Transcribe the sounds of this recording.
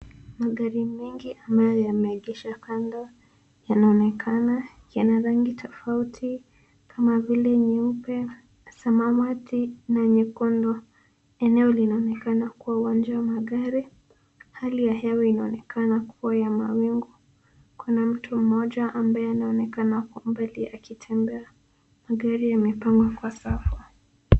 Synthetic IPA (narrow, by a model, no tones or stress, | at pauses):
maɠaɾimɛŋɡiʔambajɔjamɛːɠiʃakandɔ | janaɔnɛkʰana | janaɾaŋɡitʰɔfautʰi | kʰamavilɛɲɛupɛ | samamatʰinaɲɛkɔndɔ | ɛnɛɔlinaɔnɛkanakuwauwand͡ʒawamaɠaɾi | halijaɦɛwɛinaɔnɛkʰanakʰuwajamawiŋɡɔ | kunam̩tʰum̩mɔʄaʔːmbajɛanaɔnɛkanakɔmbaliakitʰɛmbɛa | maɠaɾijamɛpaŋɡwakwasafa